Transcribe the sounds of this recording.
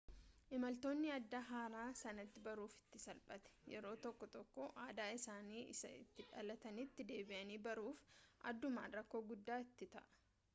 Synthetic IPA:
ʔɪmɐlt̪o̞ːnːɪɐd̪ːɐɦaːɾaːsɐnɐt̪ːɪbɐɾuːfɪ̥t̪ːɪsɐlpʼɐt̪ɛ̥jɛɾo̞ːt̪ɔkːɔt̪ɔkːɔʔaːd̪aːɪsaːniːɪ̰sɐ̰ɪ̰t̪ːɪᶑɐlɐt̪ɐnɪt̪ːɪd̪e̞ːbɪʔɐniːbɐɾuːfʔɐ̰d̪ːʊma̰ːnɾɐkːo̞ːɡʊd̪ːaːɪt̪ːɪt̪ɐ̰ʔɐ̥

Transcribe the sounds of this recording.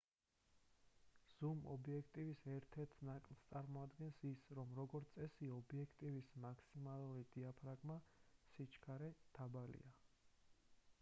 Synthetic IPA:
z̥umɔ̰biɛkʰt̪ʼivisɛɾt̪ʰɛɾt̪ʰnakʼlˠst̪sʼaɾmɔad̪ɡɛnsisɾɔmɾɔɡɔɾt̪sʼɛsiɔbiɛkʰt̪ʼivismakʰsimalˠuɾid̪̥iapʰɾaɡʼmasit͡ʃʰkʰaɾɛd̪̥abalḭa

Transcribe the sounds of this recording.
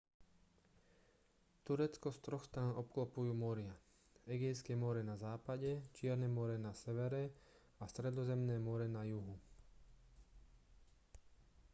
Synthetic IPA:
t̪uɾɛt͡skɔst̪ɾɔxst̪ɾaːnʔɔp̚klɔpujuːmɔɾɪa | ɛɡiskɛːmɔɾɛnazaːpaɟɛt͡ʃɪɛɾnɛːmɔɾɛnasɛʋɛɾɛ | ast̪ɾɛd̪ɔzɛmnɛːmɔɾɛnajuɦu

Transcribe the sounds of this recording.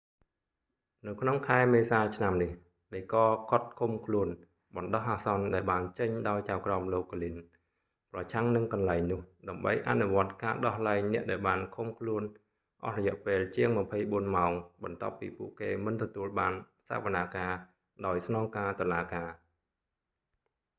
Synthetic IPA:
nɨwkʰnoŋkʰaɛmeːsaːt͡ɕʰnamnih | ɗəjkɑːkŏt̪̚kʰumkʰluən | ɓɑnɗɑhʔaːsɑnɗaɛlɓaːnt͡ɕəɲɗaɔjt͡ɕaɔwkramloːkːolin | prɑt͡ɕʰaŋnɨŋkɑnlaɛŋnʊ̆əhɗaɛmɓə̰jʔa̰nuʋŏət̪̚kaːɗɑhlaɛŋnɛ̆əʔɗaɛlɓaːnkʰumkʰluən | ʔɑ̰hrɔjɛ̆əʔpeːlt͡ɕiəŋməpʰəjɓuənmaɔŋɓɑnt̪ŏəpːḭːpuəʔkeːmɨnt̪ɔt̪uəlɓaːn | sa̰əʋanaːkaː | ɗaɔjsnɑːŋkaːt̪ŏəlaːkaː

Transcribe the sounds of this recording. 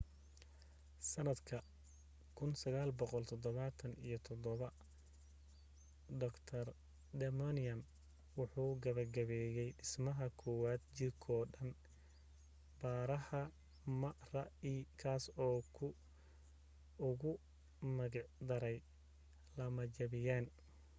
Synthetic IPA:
sɐnɐd̪kʰɐ | kʰʊnsɐɣaːlbɔqɔlt̪ʰɔd̪ɔβɐt̪ʰɐnḭjɞt̪ʰɔd̪ɔβɐ | d̪ɔkt̪ʰɐr | d̪ɛmɔnɪɐn | wʊħuːɡɐβɐrɡɐβɛjɛjɖɪsmɐɦɐkʰɔwaːd̪̚t͡ʃɪrkʰɔːɖɐn | baːɾɐhɐ | mɐrɐiːkʰaːsɔːkʰʊ | ʊɣʊ | mɐɣɑʕd̪ɐɾɛj | lɐmɐd͡ʒɐβɪjaːn

